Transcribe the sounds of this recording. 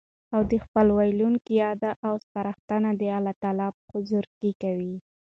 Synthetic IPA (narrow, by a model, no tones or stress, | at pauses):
awd̪əxpəlwajluŋkijɑd̪aʔawspaɾaxt̪anad̪əalɑt̪ɑlɑpxʊzʊɾkikawi